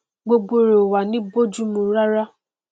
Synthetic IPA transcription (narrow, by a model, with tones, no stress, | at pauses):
ɡ͡bo˧ɡ͡bo˧ɾo˨wa˨nĩ˨˦bo˦d͡ʒu˦mũ˧ɾa˦ɾa˦